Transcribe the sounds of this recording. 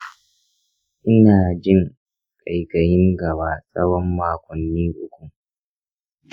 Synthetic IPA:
ʔɪ˦naː˨d͡ʒɪ˦ŋ | kʼa˨jkɐ˨jɪ˦ŋɡɐ˨baː˨sʼɐ˦wɔ˦mːaː˨kʷɔ˨nːiː˦ʔʊ˦kʷu˨

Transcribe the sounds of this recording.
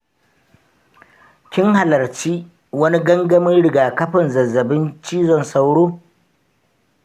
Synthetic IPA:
kʲɪ˦ŋha˨lɐ˨rt͡ʃiː˦ | wɐ˦ni˦ɡɐ˦ŋɡɐ˦mɪ˦nɽɪ˨ɡaː˨kɐ˦ɸɪ˨nzɐ˨zːɐ˨bɪ˦nt͡ʃiː˦zɔ˦˨nsa˦wɽoː˦

